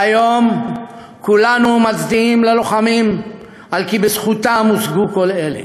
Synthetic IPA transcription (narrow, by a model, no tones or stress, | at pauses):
ajo̞m | kulanumat͡sd̪iimlelo̞χamim | alkibesχut̪amusɡuko̞le̞lḛ